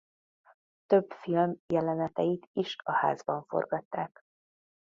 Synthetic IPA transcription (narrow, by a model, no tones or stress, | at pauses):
t̪øbfilmjɛlɛnɛt̪ɛjit̪iʃɒha̰ːzbɒɱfo̞̰rɡɒt̪ːaːk